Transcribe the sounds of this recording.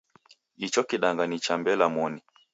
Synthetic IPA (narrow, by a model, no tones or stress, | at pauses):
ɗit͡ʃɔkiɗaŋɡanit͡ʃambɛlamɔni